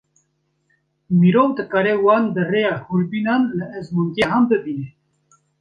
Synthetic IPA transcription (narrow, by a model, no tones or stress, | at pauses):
miɾoːwd̪ɨkɑːɾɛwɑːnd̪ərejɑːhuɾbinɑːnləʔɛzmuŋɡɛɦɑmbɨbinɛ